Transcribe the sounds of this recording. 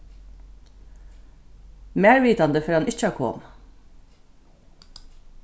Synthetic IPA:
meːɹʋiːt̪ɑnd̪əfœɾɑnɪc͡çəɑkʰɔ̰ːm

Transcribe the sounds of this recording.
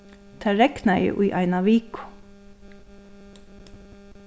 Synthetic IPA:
t̪ʰæːɹɛknæjə̰ʔuːʔɑɪnɑʋiːkʊ̥

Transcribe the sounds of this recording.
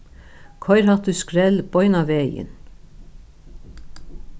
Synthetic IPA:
kʰɔʏɾhat̪ʉskɾɛlb̥ɔʏnaʋeːjɪ̰n

